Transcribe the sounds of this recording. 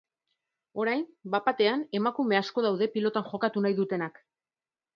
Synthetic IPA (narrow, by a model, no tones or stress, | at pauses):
o̞ɾajnbapat̪e̞ane̞makume̞asko̞ð̞awðe̞pilo̞t̪anʝo̞kat̪unajðut̪e̞nak